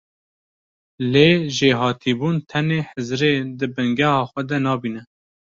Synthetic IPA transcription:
leːʒeɦɑːt̪ʰiːbuːnt̪ʰɛneːħəzɾeːd̪ɨbɨŋɡɛhɑːxʷɛd̪ɛnɑːbiːnɛ

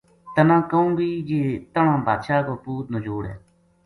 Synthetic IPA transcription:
t̪ənãːkəũːbiːd͡ʒeːt̪əɳãːba̰ːd̪ʃaːkoːpuːt̪̚nõːd͡ʒoːɽɛ̰ː

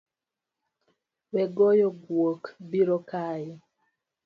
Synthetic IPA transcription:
wɛɡɔjɔɡwokbiɾɔkaji

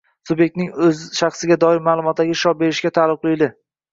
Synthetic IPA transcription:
sʊbje̞k̚ʲt̪nɪŋɵzɪʃaχsɪɡʲad̪ɒɪɾmaːlˠʊmɒt̪̚d̪aɡʲɪʃɒbe̞ɾɪʃɡʲat̪ʰalˠɪqʰlˠɪjlɪ

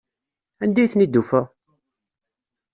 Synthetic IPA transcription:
ænd̪æjθnid̪ufæ

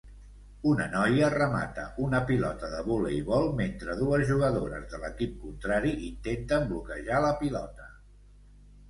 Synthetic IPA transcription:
unənɔjərəma̰t̪əʔunəpilɔt̪əðəβuləiβɔlˠment̪ɾəðuəzʒuɣ̞əðoɾə̰zðələkip̚kunt̪ɾaɾiʔint̪ent̪əmblukəʒaləpilɔt̪ə

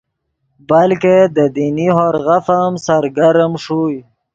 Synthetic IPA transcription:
balked̪əd̪iniɦoɾɣafamsaɾɡaɾəmʂuj

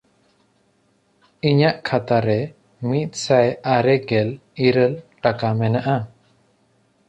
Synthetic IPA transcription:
iɲaʔkʰat̪aɾɛ | mit̪̚ˀsajaɾɛɡɛliɾəlʈakamɛnaʔa

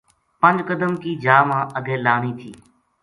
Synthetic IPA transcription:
pə̃nd͡ʒkəd̪əmkiːd͡ʒaːmãːʔəɡʱẽːlaːɳ̃iːt̪ʰiː

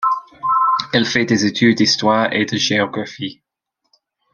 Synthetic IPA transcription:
ɛlfɛd̪ezet̪ʰyd̪̚ːist̪waːʁḛd̪əʒeɔɡʁafi

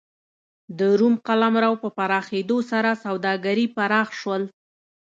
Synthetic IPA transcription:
d̪əɾumqalamɾawpəpaɾɑxed̪osaɾasawd̪ɑɡaɾipaɾɑxʃwəl

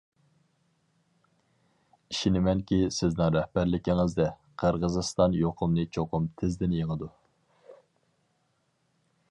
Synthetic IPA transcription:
iʃinɪmɛnkʲisɪznɪŋɾɛhbæɾlɪkʲiŋɪzd̪ɛqʰəɾʁəzɨst̪ɑnjoqʰʊmnɨt͡ʃʰoqʰʊmt̪ʰɪzd̪ɪnjeŋəd̪u

